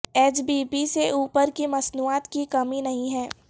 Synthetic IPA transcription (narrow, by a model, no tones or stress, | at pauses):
eːt͡ʃbiːpiseʔuːpəɾkimɐsnuːaːt̪kikɐminɐɦĩɦɛ̃ː